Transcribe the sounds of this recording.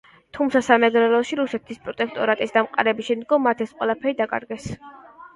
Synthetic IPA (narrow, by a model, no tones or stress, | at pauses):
t̪ʰumt̪sʰasamɛɡɾɛlɔʃiɾusɛt̪ʰispʼɾɔt̪ʼɛkʰt̪ʼɔɾat̪ʼisd̪amqʼa̰ɾɛbisʃɛnd̪ɡɔmːat̪ʰɛsqʼwɛlapʰɛɾid̪akʼa̰ɾɡɛs